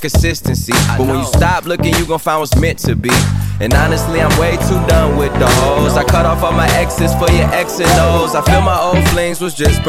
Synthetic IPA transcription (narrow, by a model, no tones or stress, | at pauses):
kɨsɪstɨ̃nsibʌt̚wə̃njɨstɑp̚lʊkɪ̃ŋjɨɡõfãɪ̃nwʌsmɛ̃ntʰɨbiɨ̃nɑnɨstˡliãɪ̃mweɪtʰudʌ̃nwɪðdɔzaɪkʰʌɾɔfɔmaɪʔɛksɨsfə˞jə˞ʔɛksɨ̃nːoʊzaɪfilˠmaɪoʊ̃lˠflɪ̃ŋzwʌzd͡ʒʌs